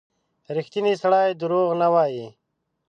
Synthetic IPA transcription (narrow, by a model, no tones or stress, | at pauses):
ɾixt̪inisɐɽaːjd̪əɾoːɣnawaːji